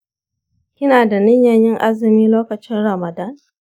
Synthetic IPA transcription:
kʲɪ˦naː˨da˨nɪ˦ɲjɐ˦ɲjɪ˦ŋʔa˦zɪ˨miː˦loː˦kɐ˨t͡ʃɪ˦nɽɐ˨mɐ˨da˦ŋ

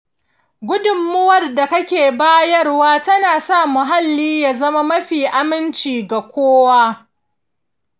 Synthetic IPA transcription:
ɡʷʊ˦dʊ˨mːʊ˦wɐ˨rda˨kɐ˦kʲeː˨baː˦jɐ˦rwaː˦tɐ˦naː˨sa˦˨mʊ˨ɦa˦lːiː˦jaː˨zɐ˦ma˦mɐ˦ɸiː˨ʔa˦mɪ˦nt͡ʃiː˨ɡa˨kʷoː˦waː˦

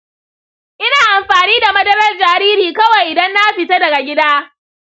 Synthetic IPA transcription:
ʔɪ˦naː˨ʔa˨mɸaː˨niː˦da˨mɐ˦dɐ˦ɾɐ˦rd͡ʒaː˨ɾiː˦ɾiː˨kɐ˦wɐ˨jʔɪ˨dɐ˦nːa˦ɸɪ˨ta˦dɐ˨ɡa˨ɡʲɪ˦daː˦

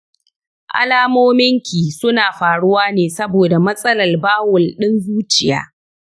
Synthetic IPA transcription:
ʔa̰˦laː˦moː˦mɪ˦ŋkʲiː˨sʊ˦naː˨ɸaː˨ɽʊ˦waː˦neː˨sɐ˦boː˨da˨mɐ˦sʼɐ˦lɐ˨rbaː˦wʊ˨lɗɪ˦nzuː˦t͡ʃɪ˨ja̰ː˦

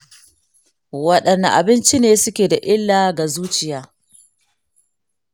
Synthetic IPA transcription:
wɐ˦ɗɐ˨nːa̰˨ʔa̰˨bɪ˦nt͡ʃi˦neː˨sʊ˦kʲeː˨da˨ʔɪ˦lːaː˨ɡa˨zuː˦t͡ʃɪ˨jaː˦

